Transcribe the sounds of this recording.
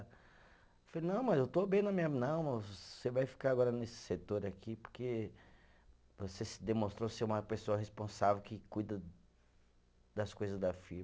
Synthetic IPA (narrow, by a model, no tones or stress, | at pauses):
flenɐ̃w̃mɐzewt̪obẽj̃nɐmĩɲɐnɐ̃w̃mɐosevajfi̥kaɾaɡɔɾɐnesɪ̥set̪oɾakipo̥ɾke | vosesɪd̪emõst̪ɾoseũmɐpesoɐɦespõsavewkɪkujd̪ɐ | d̪ɐskojzɐzd̪ɐfiɾ